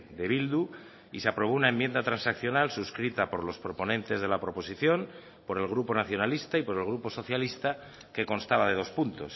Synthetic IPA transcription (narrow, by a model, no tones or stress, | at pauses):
d̪e̞β̞ild̪u | iseapɾo̞β̞o̞unaẽ̞mje̞nd̪at̪ɾansakθjo̞nalsuskɾit̪apo̞ɾlo̞spɾo̞po̞nẽ̞nt̪e̞zðe̞lapɾo̞po̞siθjo̞m | po̞ɾe̞lɣ̞ɾupo̞naθjo̞nalist̪aipo̞ɾe̞lɣ̞ɾupo̞so̞θjalist̪a | ke̞ko̞nst̪aβað̞e̞ð̞o̞spunt̪o̞s